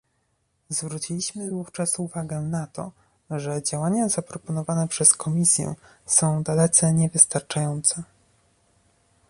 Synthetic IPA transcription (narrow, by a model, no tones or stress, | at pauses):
zvɾut͡ɕilʲiɕmɘd̪vuft͡ʂasuvaɡɛnat̪ɔ̰ | ʐɛd͡ʑawaɲazapɾɔpɔnɔvanɛpʂɛskʰɔmʲisʲjɛ̰ | sɔ̃w̃d̪alɛt̪sɛɲɛvɘst̪aɾt͡ʂajɔnt̪sɛ